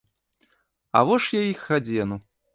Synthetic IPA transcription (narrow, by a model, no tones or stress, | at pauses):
a̰vɔʂjajixːad͡zʲɛnu